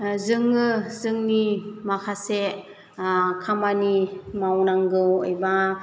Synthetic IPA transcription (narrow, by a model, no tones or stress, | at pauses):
zɯŋɯzɯŋnimakʰase | kʰamanimawnaŋɡɯɔ̰jba